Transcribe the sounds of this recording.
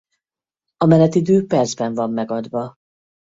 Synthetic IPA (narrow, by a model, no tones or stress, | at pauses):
ɒmɛnɛt̪id̪øːpɛrzbɛɱvɒmːɛɡɒd̪ʋɒ